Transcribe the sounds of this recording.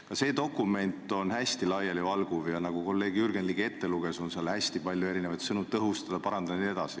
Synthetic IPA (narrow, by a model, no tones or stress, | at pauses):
kɑse̞ːd̪o̞kːˑume̞nt̪ˑo̞nhæsʲt̪ilɑjelivɑlɡ̥uvjɑnɑɡ̥uko̞lːe̞ːɡ̥jyrɡ̥enlike̞t̪ːe̞luɡ̥e̞so̞nseɑlhæsʲt̪ipɑlʲjue̞ɾine̞vɑjt̪sɤnuɤɦust̪ɑd̪̥ɑpɑɾɑnd̪ɑd̪ɑnie̞d̪ɑsi